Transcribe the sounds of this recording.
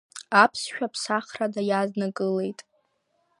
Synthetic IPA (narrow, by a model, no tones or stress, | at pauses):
apʰsʃᶣapʰsaχradajaznakʼɨle̞jtʼ